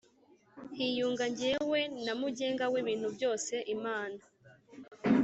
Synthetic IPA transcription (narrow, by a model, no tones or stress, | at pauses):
hijuːŋɡaɲɟewe̞namuɟe̞ːŋɡawiβiːn̥hubjo̞ːse̞ʔimaːna